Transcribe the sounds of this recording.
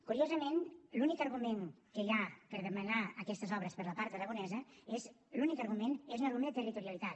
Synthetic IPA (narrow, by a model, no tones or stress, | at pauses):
kuɾiozəmenlunikəɾɣumenkəiapəɾðəmənaəkɛst̪əzɔβɾəspəɾləpaɾt̪əɾəɣunɛzəez | lunikəɾɣumenezunəlumnðət̪ərit̪uɾiəlit̪at̪